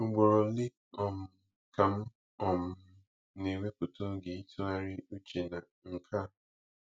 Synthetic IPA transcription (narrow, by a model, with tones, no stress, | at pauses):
ŋ̩˨ɡ͡bo˨ɾo˨lɪ˦ | ɔ˨m̩˨ | ka˨m̩˦ | ɔ˨m̩˨˦ | ne˨ŋʷe˦ko˨to˦ɡe˨i˦tʰo˦a˦ɾɪ˦u˦t͡ʃe˨na˨ | ŋ̩˨kʰa˦